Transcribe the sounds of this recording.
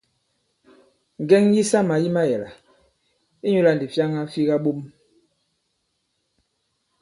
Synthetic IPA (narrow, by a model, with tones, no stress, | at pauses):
ŋ˨ɡɛ˦ŋji˦sa˦ma˨ji˦ma˦jɛ˨la˨ | i˦ɲu˦la˨n˨di˨fja˦ŋa˦fi˦ɣa˦ɓo˦m